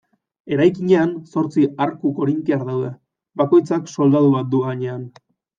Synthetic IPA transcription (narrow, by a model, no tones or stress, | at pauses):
e̞ɾajkiɲe̞anso̞ɾt͡siaɾkuko̞ɾimk̪iaɾðawðe̞ | bako̞jt͡sakso̞ld̪aðuβat̪̚d̪uɣaɲe̞an